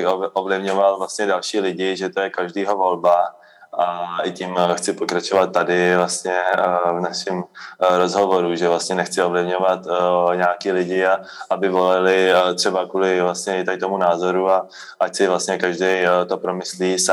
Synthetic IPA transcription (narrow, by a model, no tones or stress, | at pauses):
ʔovlɪvɲovalvlast̪ɲɛdalʃiːlɪɟɪʒɛt̪ojɛkaʒdiːɦo̞vo̞lba | ʔaɪcimxt͡sɪpokɾat͡ʃovat̪ːadɪvlast̪ɲɛvnaʃɪmɾo̞zɦovoɾuʒɛvlast̪ɲɛnɛxt͡sɪovlɪvɲovat̪ɲɛakiːlɪɟɪa | ʔabɪvo̞lalɪt̪r̥ɛbakuːlɪvlast̪ɲɛɪt̪adɪt̪omunaːzo̞ɾua | ʔacsɪvlast̪ɲɛkaʒdɛjt̪o̞pɾo̞mɪsliːs